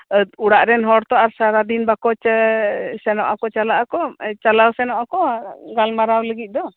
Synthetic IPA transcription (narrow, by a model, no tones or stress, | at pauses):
uɽaʔɾɛnɦɔɽt̪ɔaɾsaɾad̪inbakɔt͡ʃ | sɛnɔʔakɔt͡ʃalaʔakɔt͡ʃalawsɛnɔʔakɔɡalmaɾawləɡit̪̚ˀd̪ɔ